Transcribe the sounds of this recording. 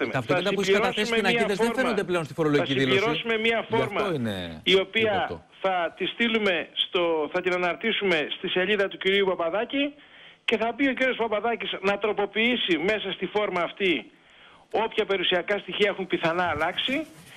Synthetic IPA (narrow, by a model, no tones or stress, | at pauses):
ɐft̪ɐst̪ɐuʎiɾoɐssmenɐiɐezfeɾfeod̪epleonst̪i̥foɾoloɐsiiilʎisɾosume̞miɐfo̞ɾmɐoinḛio̞piɐ | θɐt̪ist̪ilume̞st̪oθɐt̪inɐnɐɾt̪isume̞st̪ise̞ʎiðɐt̪uciɾiupɐpɐðɐci | ce̞θɐbio̞ciɾio̞spɐpɐðɐciznɐt̪ɾo̞po̞piisime̞sɐst̪ifo̞ɾmɐːft̪i | o̞pçɐpe̞ɾusiɐkɐst̪içiɐe̞xumpiθɐnɐːlɐksi